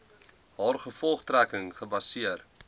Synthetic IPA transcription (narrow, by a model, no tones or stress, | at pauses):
ɦɑːrχəfɔlˠχtrækəŋχəbɐsiər